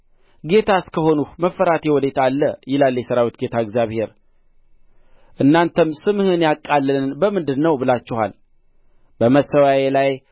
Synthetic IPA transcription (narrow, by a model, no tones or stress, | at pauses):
ɡe̞t̪ʰaskʰəho̞nuhməfːəɾat̪ʰewɔd̪et̪ʰalːəjɪlalːjɛsəɾawit̪̚ɡe̞t̪ʰaɨɡzjaβhe̞ɾ | ʔɨnːant̪ʰəmsɨmhɨnjakʼːalːɨnbəmɨnd̪ɨd̪nːəwbɨlat͡ʃːɪha̰l | bəməsəwajelaj